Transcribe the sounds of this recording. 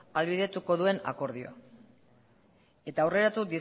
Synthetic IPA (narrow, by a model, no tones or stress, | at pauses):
alβiðe̞t̪uko̞ðue̞na̰ko̞ɾð̞ioa | e̞t̪aːwre̞ɾat̪ud̪i